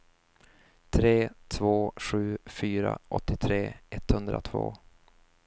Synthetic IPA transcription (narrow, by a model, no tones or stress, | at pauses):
t̪ʰɾeːt̪ʰvoːɧʉ̟ːfyːɾa̰ʔɔt̪ːɪt̪ʰɾeːɛt̪hɵnd̪ɾat̪ʰvo̰ː